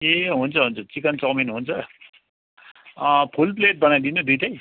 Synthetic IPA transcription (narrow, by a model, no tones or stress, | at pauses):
eɦunt͡sʰʌɦunt͡sʰʌt͡sikʌnt͡sʌminɦunt͡sʰʌ | pʰulp̬leʈ̚bʌnajd̪inud̪uʈaj